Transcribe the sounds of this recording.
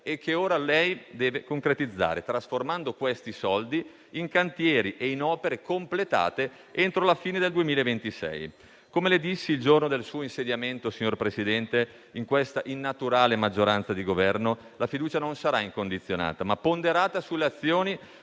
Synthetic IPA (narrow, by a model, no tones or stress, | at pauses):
ekʰːeoːɾalɛjd̪ɛːvekoŋkɾet̪id̪zːa̰ːɾet̪ɾasformand̪okwest̪isɔld̪iː | ŋkant̪jɛːɾiʔeinɔːpeɾekomplet̪a̰ːt̪e | ent̪ɾolafiːned̪eld̪uemiːlaevent̪isɛ̰j | komeled̪isːild͡ʒornod̪elsuːoinsed̪jament̪osiɲːorpɾesid̪ɛnt̪e | iŋkwest̪aʔinːat̪uɾaːlemad͡ʒːoɾant̪sad̪iɡovɛrno | lafid̪uːt͡ʃanonsaɾaiŋkond̪it̪sːjona̰ːt̪amapːond̪eɾaːt̪asulːeat̪sːjoːni